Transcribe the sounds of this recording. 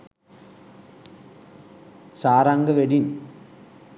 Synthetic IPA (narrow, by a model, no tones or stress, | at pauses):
saːɾaːŋɡɐʋeɽin